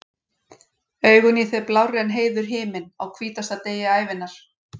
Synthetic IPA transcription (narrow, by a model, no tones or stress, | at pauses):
œːɥɣʏniθɛplawrɛnɦeːjðʏɾ̥ɦɪːmɪna̰wkʰviːt̪ast̪at̪eːjaaːjvɪnːaɾ̥